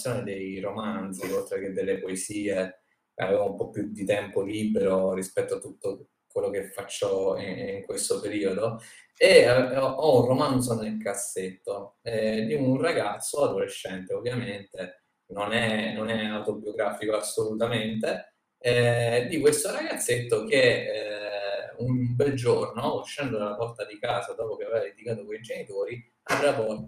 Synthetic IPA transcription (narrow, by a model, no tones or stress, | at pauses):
joːned̪ejɾomant̪siolt̪ɾek̟ed̪ːelːepoesiːe | ka̰vevaumpɔpːjud̪it̪ɛmpoliːbeɾorispɛt̪ːoat̪ːut̪ːo | kwelːokefːat͡ʃːɔiiŋkwest̪opeɾiːod̪o | eɔɔunromansonelkasːet̪ːoɛd̪iunraɡat̪sːoad̪oɾeʃːɛnt̪eovːjament̪e | nonɛnonɛawt̪objoɡɾaːfikoasːolut̪ament̪e | ɛd̪ikwest̪oɾaɡat̪sːet̪ːok̟e | unbɛld͡ʒornoːʃːɛnd̪od̪alapɔrt̪ad̪ikaːzad̪ɔːpok̟eaveːvad̪ed̪ikaːt̪okoid͡ʒenit̪oːɾi | avɾatɔ